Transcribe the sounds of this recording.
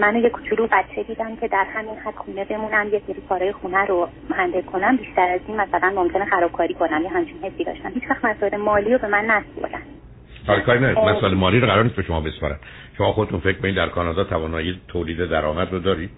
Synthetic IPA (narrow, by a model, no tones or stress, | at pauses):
mænojekʰo̥t͡ʃʰulubæt̪t͡ʃʰe̞d̪iːd̪æmcʲʰe̞d̪æɾhæminhæd̪̥xuːne̞be̞munæmjecseɾiːkʰɒːɾɒːjexunæɾo | hænd̪ekʰo̞næmbiʃt̪æɾæziːnmæsælænmomcʰe̞nexæɾɒːb̥̚kʰɒːɾiːkʰo̞næmjeɦæmt͡ʃʰinhe̞sːid̪ɒ̰ʃt̪æmhiːt͡ʃvæxt̪mæsɔːelemɒːliːɾobe̞mænːæspo̰ɾd̪æn̥ | sʰɒːlekʰɒːɾinæd̪ɔmæsɔelemɒːliːɾoɣæɾɒɾnis̚beʃomɒ̰ːbespɒ̰ɾæ̰nd̪̥ | ʃomɒːχod̪et̪ʰunfec̚ʰkʰonid̪d̪æɾkʰɒːnɒːd̪ɒːt̪ʰævɒːnɒːjiet̪ʰoliːd̪ed̪æɾɒːmæd̪rod̪ɒːɾid̪̥